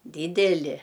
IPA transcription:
ˈdʲiːdʲɛlʲɪ

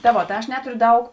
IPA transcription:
tɐ ˈʋoː tɐ ˈɐʃ ˈnʲæːtʊrʲʊ ˈdɐʊk

